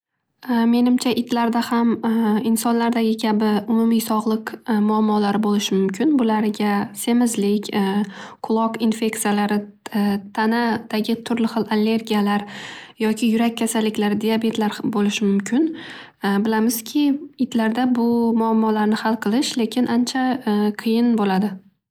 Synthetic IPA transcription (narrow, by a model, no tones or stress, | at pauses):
me̞nɪmt͡ʃʰaʔɪt̪ʰlaɾd̪ahamɪnsɒnlaɾd̪aɡʲɪkʲʰabɪʊmʊmisɒʁlˠɨqmʊamːɒlaɾɪbolɪʃɪmʊmkʲʰɪnbʊlaɾɪɡʲase̞mɪzlɪkʲ | qʰʊlˠɒqinfe̞k̚t̪sijalaɾɪ | t̪ʰanad̪̥aɡʲɪt̪ʰʊɾlɪχɨlˠalːe̞ɾɡʲijalaɾjɒkʲʰɪjʊɾak̚ʲʰːasalːɪkʲlaɾd̪ijabe̞t̪laɾbolɪʃɪmʊmkʲʰɪn | bɪlamɪz̥kʲʰɪɪt̪laɾd̪abʊmʊamːɒlaɾnɪhalˠqʰɨlˠɪʃle̞kʲɪnʔant͡ʃʰaqʰɨjɪnbolad̪ɪ